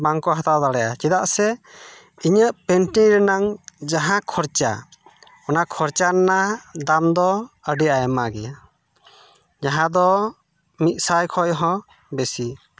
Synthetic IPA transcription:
baŋkɔɦat̪awd̪aɽɛjat͡ʃɛd̪aʔsɛ | iɲəʔpɛnʈiɾɛnaŋd͡ʒaɦãkʰɔɾt͡ʃa̰ | ɔnakʰɔɾt͡ʃannad̪amd̪ɔəɖiajmaɡɛja | d͡ʒaɦãd̪ɔ | mit̪̚ˀsajkʰɔjɦɔ̃ | bɛsi

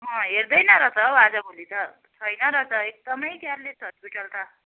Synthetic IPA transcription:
ɦʌ̃ɦeɾd̪ʌjnʌɾʌt͡sʌwad͡zabʱolit̪ʌ | t͡sʰʌjnʌɾʌt͡sʌek̚d̪ʌmʌjkaɾlet̪ɦʌspiʈʌlt̪ʰa

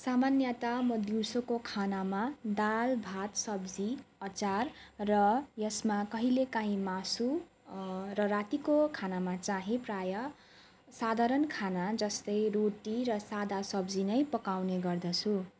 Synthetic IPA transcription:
samanjʌt̪amʌd̪iwsokokʰanamad̪albʱat̪sʌbd͡ziʌt͡sarrʌjʌsmakʌɦilekaɦĩmasu | rʌrat̪ikokʰanamat͡saɦĩprajʌ | sad̪ʱaɾʌnkʰanad͡zʌst̪ʌjroʈirʌsad̪ʱasʌbd͡zinʌjpʌkawneɡʌrd̪ʌt͡sʰu

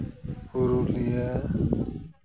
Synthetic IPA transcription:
uɾulija

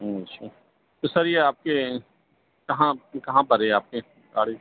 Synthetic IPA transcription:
ɦːɐʃʰaː | t̪osɐɾijeaːp̚ke | kɐɦãkɐɦãbɐɾeaːp̚ke | ɡa̰ːɽe

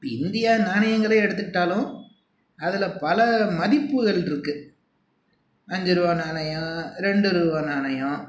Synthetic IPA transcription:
ɪnd̪ɪjaːnaːɳɐjɐŋɡɐɭeɛɽɯt̪ːɯkːɪʈːaːlʊ̃ | ɐðɪlɐpɐlɐmɐðɪpːɯɣɐɭɪɾɯkːɯ | ɐɲd͡ʒɯɾɯʋaːnaːnɐjãːɾɛɳɖɯɾɯːʋaːnaːnɐjã

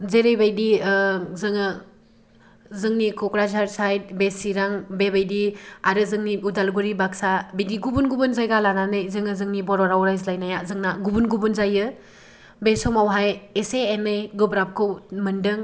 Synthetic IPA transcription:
zeɾejbajdizɯŋɯ | zɯŋnikʰɔkɾazaɾsajt̚besiɾaŋbebajdiaɾɯzɯŋniudalɡuɾibak̚sabidiɡubunɡubunzajɡalananɯjzɯŋɯzɯŋnibɔɾɔɾawɾajzlajnajazɯŋnaɡubunɡubunzajɯ | besɔmawɦajeseːnɯjɡɯbɾap̚kʰɯwmɯndɯŋ

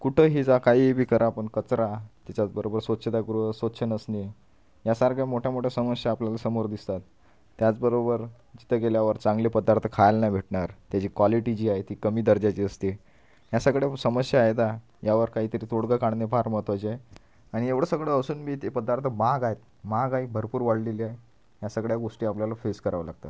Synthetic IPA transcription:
kuʈʰəɦiːd͡zakaɦiːebʱiːkəɾʔapəɳkət͡sɾat̪jat͡ɕat͡sbəɾobəɾsʋət̪ɕʰət̪aɡuɾusʋət̪ɕʰənəsni | jasaɾɡʰamoʈʰjamoʈʰjasəməsjaːpljalasəmoɾd̪ist̪at̪ː | jat͡sbəɾobəɾ | d͡ʑit̪ʰəkeljaʋəɾt͡sãŋɡlepəd̪aɾt̪ʰəkʰajlnabʱeʈɳaɾt̪jat͡ɕiːkʋaliʈid͡ʑiːaɦet̪iːkəmiːd̪əɾd͡ʑat͡ɕiəst̪e | jasəɡɽjesəməsjaːɦet̪a | jaʋəɾkaɦiːt̪əɾiːt̪oɽɡəkaɳnepaɾmət̪ʋat͡ɕae | aɽ̃ieʋɽ̤əsəɡɭəəsuːnbʱiːt̪epəd̪aɾt̪ʰəmaɡajet̪̚ | maɡaibʱəɾpuːɾʋaɽleliae | jasəɡɭjaɡoʂʈiːapljalafeskəɾaʋəla̰ɡ̚t̪a̰t̪

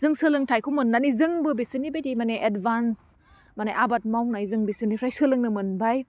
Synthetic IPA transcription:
zɯŋsɯlɯŋtʰajkʰumɯnːanizɯŋbɯbisɯnːibejtimaneʔedbans | maneʔabat̚mawnajzɯŋbisɯnipʰɾajsɯlɯŋnɯmɯnbaj

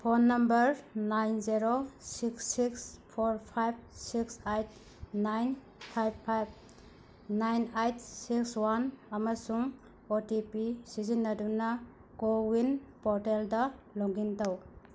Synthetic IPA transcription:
pʰonːɐmbɐɾnajnzeɾosiksːikspʰoɾpʰajb̚siksajt̚ | najn | pʰajbpʰajb̚ | najnajt̚ʰsikswanɐmɐsuŋ | otipisizinːɐdunɐ | ɡowinpɔɾteldɐloŋɡintaw

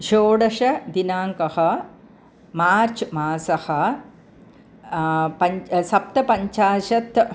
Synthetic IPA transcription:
ʃoːɽɐʃɐd̪inaːŋkɐhɐ̆ | maːɾt͡ʃmaːsɐhɐ̆ | pɐɲsɐp̚t̪ɐpɐɲt͡ʃaːʃɐt̪

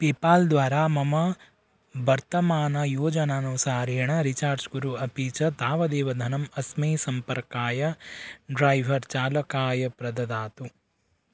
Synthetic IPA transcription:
peːpaːld̪ʋaːɾaːmɐmɐ | bɐɾt̪ɐmaːnɐjoːd͡ʒɐnaːnusaːɾeːɳɐɾit͡ʃaːɾd͡ʒɡuɾuɐpiːt͡ʃɐt̪aːʋɐd̪eːʋɐd̪ʱɐnɐmɐsmeːsɐmpɐɾkaːjɐɖɾɐjʋʱɐɾt͡ʃaːlɐkaːjɐpɾɐd̪ɐd̪aːt̪u

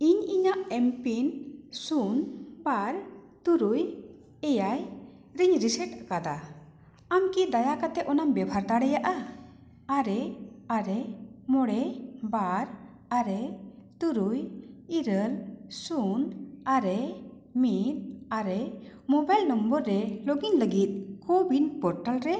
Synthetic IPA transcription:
iɲiɲaʔɛmpinsunbaɾ | t̪uɾuj | ɛjaj | ɾiɲɾisəʈakad̪a | amkid̪ajakat̪ɛʔɔnambɛbʱaɾd̪aɽɛjaʔa | aɾɛaɾɛmɔɽɛbaɾ | aɾɛt̪uɾujiɾəlsunaɾɛ | mit̪̚aɾɛmɔbajlnɔmbɔɾːɛlɔɡinləɡit̪̚kɔbinpɔɾʈalɾɛ

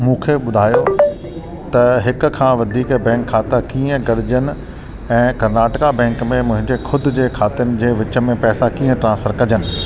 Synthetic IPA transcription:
mũːkʰeɓʊd̪ʱaːjo | t̪ɐɦɪkʊ̆kʰãːʋɐd̪ʱiːkbɛ̃ːkʰːaːt̪akiːə̃ɡɐɽɪd͡ʑənɪ̆ | ɛ̃ːkɐɾnaːʈɪkabɛ̃ːŋkmẽmʊ̃ɦɪ̃ɲd͡ʑexkʰʊd̪ʱʊ̆d͡ʑeːkʰaːt̪ɪənɪ̆d͡ʑeːʋɪt͡ɕə̆mẽpɛːsakiːə̃ʈɾãːsfəɾkɐd͡ʑənɪ̆

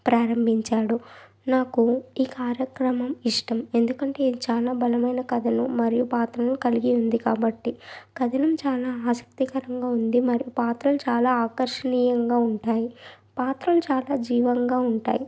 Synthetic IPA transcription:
pɾaːɾɐmbʱiɲt͡ʃaːɽu | naːkuiːkaːɾjɐkɾɐmɐmiʂʈɐme̞nd̪ukɐɳʈe̞ːt͡ʃaːlaːbɐlɐmɐjnɐkɐd̪ʱɐnumɐɾijupaːt̪ɾɐlukɐliɡiund̪ikaːbɐʈːikɐd̪ʱɐnɐmt͡ʃaːlaːaːsɐ̥k̚t̪ikɐɾɐŋɡaːund̪imɐɾijupaːt̪ɾɐlut͡ʃaːlaːaːkɐɾʂɐniːjɐŋɡaːuɳʈaːji | paːt̪ɾɐlut͡ʃaːlaːd͡ʒiːʋɐŋɡaːuɳʈa̰ːji

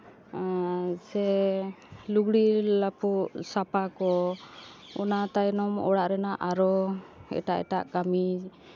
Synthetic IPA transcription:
sɛ | luɡɽilapuʔsapakɔ | ɔnat̪ajnɔmɔ̰ɽaʔɾɛnaʔaɾɔɛ̰ʈaʔɛ̰ʈaʔkami

